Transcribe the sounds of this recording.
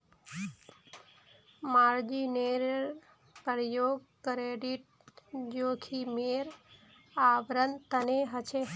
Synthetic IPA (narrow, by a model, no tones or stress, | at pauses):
maɾd͡ʒineɾɾ | pɾjoːɡ | kɾeɖiʈ̚d͡ʒokʰimeɾ | aʋɾənt̪əneɦət͡ʃʰe